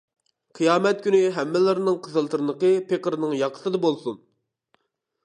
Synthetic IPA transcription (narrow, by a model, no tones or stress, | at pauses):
qʰijɑːmɛt̪̚kʲynyɦɛmːɪlɪɾnɨŋqʰəzɨlˠt̪ɨɾnəqəpeqəɾnɨŋjɑqʰə̥sɨd̪ɑbolˠsun